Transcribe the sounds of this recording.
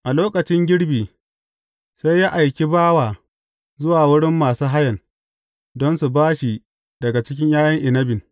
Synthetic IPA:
ʔa˨loː˦kɐ˨t͡ʃɪ˦ŋɡʲɪ˦ɽbiː˨ | sa˦jːaː˦ʔa˨jkʲi˦baː˦waː˨ | zʊ˦waː˨wʊ˦ɽɪ˦mːaː˨suː˦ɦa˦jɐ˨n | dɔ˦nsu˨baː˦ʃi˨ | dɐ˨ɡa˨t͡ʃɪ˦k̬ʲɪ˦ɲjaː˦jɐ˦ŋʔɪ˨nɐ˦bɪ˨n

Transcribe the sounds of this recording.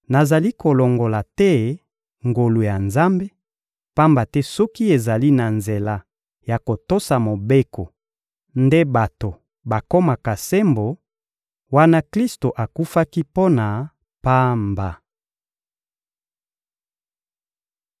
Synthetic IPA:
na˨za˨li˦ko˨lo˨ŋɡo˨la˨tɛ˦ | ŋɡo˨lu˨ja˨nza˦mbe˦ | pa˦mba˨tɛ˦sɔ˦ki˦e˨za˨li˦na˨nze˨la˦ | ja˨ko˨to˦sa˨mo˨be˦ko˨ | nde˦ba˨to˨ | ba˨ko˦ma˨ka˨se˦mbo˨ | wa˦na˦kli˦sto˨ʔa˨ku˦fa˦ki˦po˦na˨ | pa˦mba˨

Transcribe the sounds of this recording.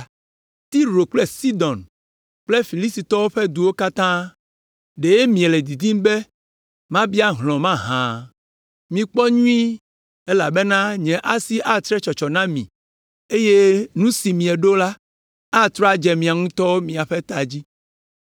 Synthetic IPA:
t̪i˦ɾo˨k͡ple˦si˦d̪ɔ̃˨n | k͡ple˦fi˨li˦si˨t̪ɔ˦wo˦ɸe˦d̪u˨wo˦ka˦t̪ã˦ | ɖe˨je˦mĩ˨e˨le˨d̪i˨d̪i˦m˦be˦ | mã˦bi˦a˦ɦlɔ̃˨mã˦ɦã˨ | mĩ˨k͡pɔ˦ɲũ˦ĩ˦ | e˦la˨be˦nã˦ɲɛ̃˨ʔa˦si˦ʔa˦t̪ɾɛ˦t͡ʃɔ˨t͡ʃɔ˨nã˦mḭ̃˨ | e˦je˦nũ˦si˨mĩ˨ɛ˨ɖo˦la˦ | a˦t̪ɾɔ˦a˦˨d͡ʒɛ˨mĩ˨a˨ŋũ˦t̪ɔ˦wo˦mĩ˨a˨ɸe˦t̪a˨d͡ʑi˦

